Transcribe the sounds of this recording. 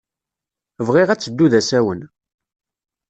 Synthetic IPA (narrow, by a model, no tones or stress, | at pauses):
vʁiʁæt͡sːəd̪ːuðæsæwən